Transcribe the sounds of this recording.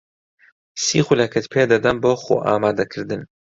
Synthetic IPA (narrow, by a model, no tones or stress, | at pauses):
sḭːxulɐkʰɨt̪pʰeːd̪ɐd̪ɐmboːxo̰ːʔa̰ːmaːd̪ɐkʰɨɾd̪ɨn